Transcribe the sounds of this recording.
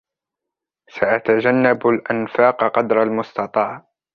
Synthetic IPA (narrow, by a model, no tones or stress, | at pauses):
saʔat̪ad͡ʒanːabalʔanfaːqqɑd̪ɾˤalmʊst̪ɑt̪ˤɑːʕ